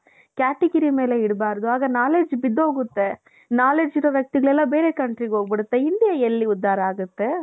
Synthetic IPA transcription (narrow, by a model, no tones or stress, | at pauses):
kaːʈɛɡɐɾimeːleɪɽɯbaːɾɐðɯaːɣɐnaːleːd͡ʒbɪd̪oːɣɯt̪ːe | naːleːd͡ʒɪɾɐʋɐk̚t̪ɯɣɐɭɛlːãːbeːɾeːkɐɳʈɾikoːɡɐpɐɽɯt̪ːɐɪnd̪ɪjɐɛlːiʊd̪ːaːɾɐaːɣɯt̪ːɯ